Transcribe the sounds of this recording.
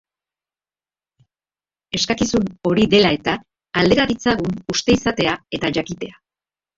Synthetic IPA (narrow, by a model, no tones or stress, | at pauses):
e̞skakisuno̞ɾiðe̞lae̞t̪aː | ld̪e̞ɾaɾit͡saɣunust̪e̞isat̪e̞ae̞t̪aʝakit̪e̞a